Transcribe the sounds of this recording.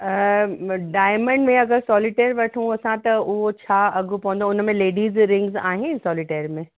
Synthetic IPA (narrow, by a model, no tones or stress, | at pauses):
ɖaːɪmə̃ɳɖmẽɐɡəɾsɔːlɪʈeɾʋɐʈʰũɐsãt̪ɐʊɦot͡ɕʰaːɐɡʱupɐʋə̃nd̪oʊnmẽleːɖiːzɾɪ̃ŋɡza̰ːɦɪnsɔːlɪʈeːɾmẽ